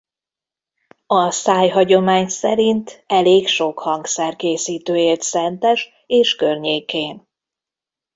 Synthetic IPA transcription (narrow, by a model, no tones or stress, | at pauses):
ɒsaːjɦɒɟo̞maːɲsɛɾint̪ɛleːkʃo̞khɒŋɡsɛrkeːsiːt̪øːeːrt̪sɛnt̪ɛʃ | eːʃkørɲeːkeːn